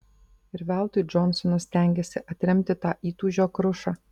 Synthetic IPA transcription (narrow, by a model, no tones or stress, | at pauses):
ɪɾʋʲæˑlˠt̪ujd͡ʒɔnsɔnɐsʲt̪ʲɛŋʲɡʲɛsʲɪʔɐt̪ʲɾʲɛmʲt̪ʲɪt̪ɑːʔiːt̪uːʒʲoːkɾʊʃɑː